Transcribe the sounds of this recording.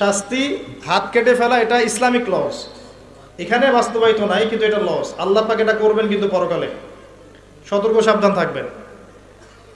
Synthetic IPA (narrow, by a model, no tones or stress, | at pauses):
ʃast̪iɦat̪kʰeʈefɛlaeʈaislamiklɔs | ekʰanebast̪obait̪onajkint̪ueʈalɔsalːaɾpakeʈakoɾbenkint̪̬upɔɾokalḛ | ʃɔt̪oɾkoʃab̚d̪ʱant̪ʰak̚bḛn